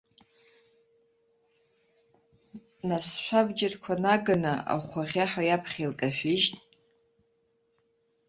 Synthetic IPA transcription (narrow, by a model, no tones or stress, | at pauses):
nasʃʷabd͡ʒɪrkʷʰanaɡɨnɨa̰χʷaʁʲaħajapʰχʲelkʼaħʷᶣɪʒtʼ